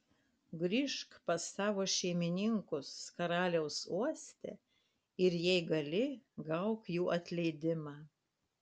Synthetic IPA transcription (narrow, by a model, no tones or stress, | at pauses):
ɡɾʲɪʃkpɐsɑːʋoːʃʲɛɪmʲɪnʲɪŋkʊskɐɾɑːlʲɛʊsuɔsʲt̪ʲɛ̰ | ɪɾjɛɪɡɐlʲɪɡɐʊkjuːʔɐt̪ʲlʲɛɪd̪ʲɪmɑː